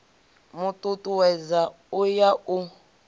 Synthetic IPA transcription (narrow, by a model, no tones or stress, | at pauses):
mutʼutʼuwɛza | ujau